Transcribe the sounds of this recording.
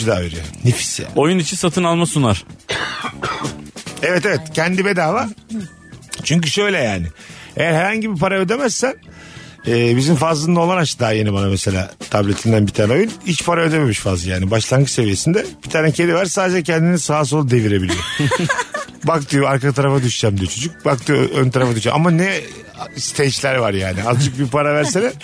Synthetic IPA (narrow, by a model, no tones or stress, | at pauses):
d̪aːveɾijo̰nifi̥sja̰ːojunit͡ʃʰinsat̪ʰɯnalˠmasunaɾ̥ | evɛt̪evɛt̪cʰɛnd̪ibed̪aːva | t͡ʃʰyɲcyʃøjlʲɛjaːnɪejæɾheɾhaɲɟibipaɾaød̪e̞mæzsæn | ɛːbizinfazlˠɯnd̪ao̞lˠanaʃɯd̪aːje̞nibanamese̞lʲa̰ːt̪ʰablʲe̞t̪ʰind̪ænbit̪ʰaːnɛo̞jyunit͡ʃpʰaɾaø̞d̪eme̞miʃfazlˠɯjaːnibaʃlˠanɡɯse̞vije̞sind̪ɛb̥it̪ʰaːnɛcʰelʲivaɾsaːd̪ed͡ʒɛcʰɛnd̪inisaas̬olˠad̪e̞viɾe̞bilʲijo | bak̚t̪ɯjoaɾkat̪ʰaɾafad̪yʃd͡ʒæmd̪ijot͡ʃʰo̞d͡ʒuc̚bak̚t̪ʰɯjoønt̪ʰaɾafad̪yʃd͡ʒɛ̰ma̰manɛ | st̪ʰejt͡ʃlʲæɾvaɾjaːnɪazd͡ʒʰɯk̚bipʰaɾavæɾselɛ